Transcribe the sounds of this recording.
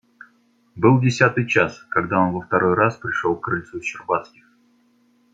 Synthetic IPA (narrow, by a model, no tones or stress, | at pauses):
bɨlˠdʲɪsʲat̪ɨjt͡ɕaskɐɡd̪ao̞nvəft̪ɐɾo̞jɾaspɾʲɪʂolˠkɾəlʲt̪suɕɪrbat̪skʲɪx